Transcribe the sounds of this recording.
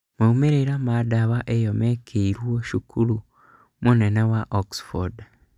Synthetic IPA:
maumeɾeɾamadaβaʔejomekʰeiɾwoʃukʰulu | munenawaʔoksfoɾd

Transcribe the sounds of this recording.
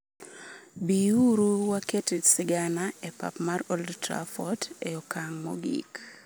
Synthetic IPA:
biuɾuwaketisɪɡanaepa̰pmarɔldtɾa̰fɔteɔkaŋmo̰ɡḭk

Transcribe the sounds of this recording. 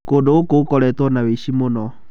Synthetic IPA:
kodookokɔɾɛtwɔnaweʃimonɔ

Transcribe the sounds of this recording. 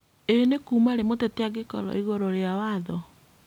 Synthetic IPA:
enekuːmaɾemoteteaɣekɔ̰lɔ̰iɣɔɾɔɾeawaðɔ

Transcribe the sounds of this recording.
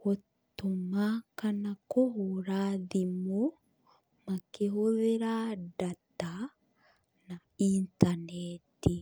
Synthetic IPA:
hot̪ːomakanakoɦoɾaðimo | makeɦoðeɾadat̪a | na | int̪anet̪i

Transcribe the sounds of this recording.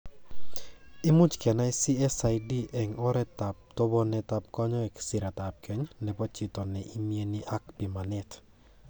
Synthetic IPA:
ɪmut͡ʃkɛnaisiɛsajdiʔɛŋɔɾɛtap̚tobɔnɛtap̚kɔɲɔɛksɪɾatap̚kʰɛɲnɛpɔt͡ʃɪtɔnɛʔimieniʔakpimanɛt

